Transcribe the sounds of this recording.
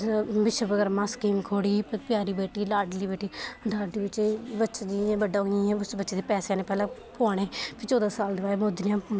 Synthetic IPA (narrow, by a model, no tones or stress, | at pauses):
ʋɪʃəbəɡəɾmãːskiːmkʰoːɽiːpəɾpjaːɾiːbeːʈiːlaːɖliːbeːʈiːd̪aːdiːbɪt͡ʃeːbətːʃad͡ʒiːẽːbəɖːãːɛ̃ːʊsbətːʃeːd̪eːpɛːseaːnẽːpɛːlãːpʰoːɽ̃eːpʰɪt͡ʃɔːd̪aːsaːld̪ɪʋaːeːmoːd̪nãː